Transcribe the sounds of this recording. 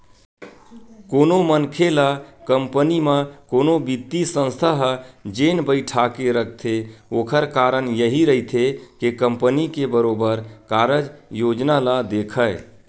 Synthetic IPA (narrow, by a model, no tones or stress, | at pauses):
konomənkʰelakəmpənimakonobit̪ːisə̃nst̪ʰaɦd͡ʒenbəɪʈʰakeɾək̚ʰt̪ʰeokʰəɾkaɾənjəɦiɾəɦit̪ʰekekəmpənikebəɾobəɾkaɾəd͡ʒjod͡ʒnalad̪ekʰəɪ